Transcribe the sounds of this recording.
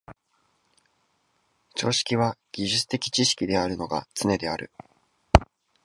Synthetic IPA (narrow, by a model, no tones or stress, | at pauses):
t͡ɕo̞̰ːɕi̥kʲiβaɡ̥ʲiʑɨt͡sɨ̥t̪e̞kʲi̥t͡ɕiɕi̥kʲid̪e̞aɾɯ̟no̞ɡa̰t͡sɨne̞d̪e̞a̰ɾɯ̟̰